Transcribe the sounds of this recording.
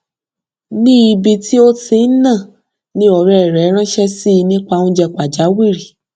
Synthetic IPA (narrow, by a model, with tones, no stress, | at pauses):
nĩ˦i˧bi˧ti˦o˦ti˧n̩˦nã˦˨ | nĩ˦ɔ˨ɾɛ˨ɛ˨ɾɛ˨˦ɾ̃ã˦ʃɛ˦si˦˧nĩ˦k͡pa˧ũ˦d͡ʒɛ˧k͡pa˨d͡ʒa˨˦wi˦˨ɾi˨